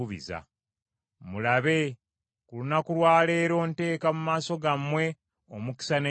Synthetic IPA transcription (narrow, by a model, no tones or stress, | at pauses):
uβḭza̰ | mulaβe̞ | kulunakulwaːle̞ːɾo̞ːnte̞ːkamumaːso̞ɡamːwe̞ | omuki̥sane